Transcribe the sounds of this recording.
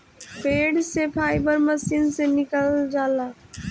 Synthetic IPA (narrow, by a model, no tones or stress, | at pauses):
peːɖsepʰaːɪbəɾməsiːnsenɪkəld͡ʒaːlaː